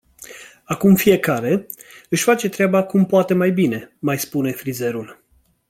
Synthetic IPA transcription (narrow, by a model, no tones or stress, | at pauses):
akumfije̞kaɾe̞ | ɨʃʲfat͡ʃe̞t̪ɾeabakumpoat̪e̞majbine̞majspune̞fɾize̞ɾul